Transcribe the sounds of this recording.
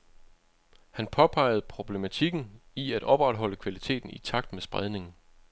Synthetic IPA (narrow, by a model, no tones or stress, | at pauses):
hænpʰɒ̽pʰɑ̈ɪ̰ð̞̩ˠpʰʁo̝b̥le̝mæt͡sʰiɡ̥n̩iæd̥ɒ̽b̥ʁad̥ɦɒ̽l̰əkʰʋælit͡sʰe̝̰ːd̥n̩it͡sʰɑ̈ɡ̥̚d̥mesb̥ʁaðˠne̝ŋn̩